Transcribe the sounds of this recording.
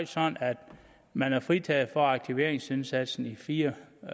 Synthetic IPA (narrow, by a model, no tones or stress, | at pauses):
sɒ̽næd̥ | mænæɐfʁit͡sʰɛ̰ːð̩ˠfɒɑ̈ɡ̥̚t͡sʰiʋe̝ɐ̰eŋse̝nsæd̥sn̩ifiːɐ